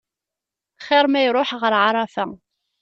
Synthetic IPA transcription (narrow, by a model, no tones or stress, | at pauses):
χɪɾˤmæjɾˤoħʁəɾʕaɾˤɑfæ